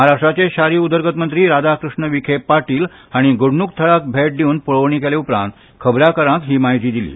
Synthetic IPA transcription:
ɦaɾaʂʈɾat͡ɕeɕaɾiːud̪əɾɡət̪mənt̪ɾiːɾad̪akɾuʂɳəʋikʰepːaʈiːl | aɽ̃iɡuɽɳukt̪ʰəɭak̚bʱeʈ̚d̪euːnpəɭəʋɳ̃iːkeleupɾã̰nt̪ | kʰəbɾakəɾãkɦiːmaɦit̪iːd̪ilḭː

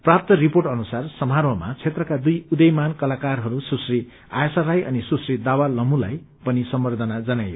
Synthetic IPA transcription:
prap̚t̪ʌriporʈʌnusarsʌmarwʌma̰t͡sʰet̪rʌkad̪ujud̪ʌjmankʌlakarɦʌɾususri | a̰jsaɾajʔʌ̰nisusrid̪awalʌmulaj | pʌnisʌmbʌrd̪ʱʌnad͡zʌnajo

